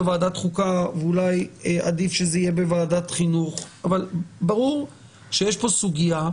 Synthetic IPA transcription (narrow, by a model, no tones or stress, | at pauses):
evaːdat̪χukaveulajeʔad̪ifʃezeijebevaːdat̪χinuχavalbaʁuʁ | ʃejeʃpo̞suɡija